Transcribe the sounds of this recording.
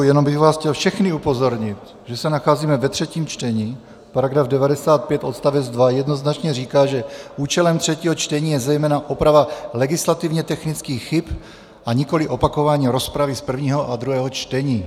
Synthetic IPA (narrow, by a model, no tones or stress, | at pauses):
jɛnombɪɣvaːsxcɛlfʃɛxnɪupo̞zo̞ɾɲɪt̪ | ʒɛsɛnaxaːziːmɛvɛt̪r̝̥ɛciːmt͡ʃt̪ɛɲiː | paɾaɡɾavdɛvadɛsaːt̪̚pjɛt̪ʔo̞t̪st̪avɛd͡zd̪vajɛdno̞znat͡ʃɲɛriːkaːʒɛʔuːt͡ʃɛlɛmt̪r̥ɛciːɦot͡ʃt̪ɛɲiːjɛzɛjmɛːnaʔopɾavalɛɡɪslat̪ivɲɛt̪ɛxnɪt͡skiːxxɪp | ʔaɲɪko̞lɪʔo̞pako̞vaːɲiːɾo̞spɾavɪspr̩vɲiːɦo̞ʔad̪ɾuɦɛːɦo̞t͡ʃt̪ɛɲiː